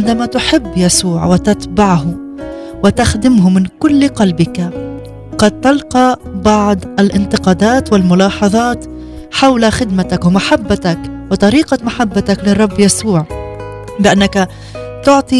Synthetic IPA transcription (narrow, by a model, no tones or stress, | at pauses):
ʕɪnd̪amat̪ʊħɪbːjasuːʕwɪt̪at̪baʕɦʊ | wɪt̪axd̪ɪmɦʊmɪnkʊlːqɑlbɪka | qɑd̪̚t̪alqɑbɑʕd̪ˤʔalʔɪnt̪ɪqɑːd̪aːt̪wɪlmʊlɑːħɑðˤɑːt̪ | ħawlaxɪd̪mat̪akwɪmaħabːat̪akwɪt̪ˤɑɾiːqamaħabːat̪aklɪrˤːɑbːjasuːʕ | bɪʔanːaka | t̪ʊʕt̪ˤi